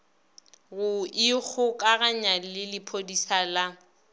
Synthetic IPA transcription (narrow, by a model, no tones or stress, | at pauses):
ɣʊɪk͡xʰʊkʼaɣaɲalɪlɪpʰodisala